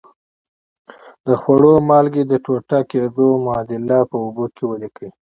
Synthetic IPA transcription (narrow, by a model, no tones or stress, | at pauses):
d̪̥əxwaɽomɑlɡed̪əʈoʈaked̪omʊɑd̪ɪlɑpəʊbokʰewəlikəi